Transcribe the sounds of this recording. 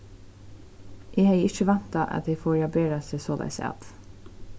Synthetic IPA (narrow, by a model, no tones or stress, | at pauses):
ʔeːhɑɪɪçəʋɛnt̪ɑʔɑ̰t̪jefoːɹjɑbeːɾɑsɛsoːd̪æ̰sɑ̰t̪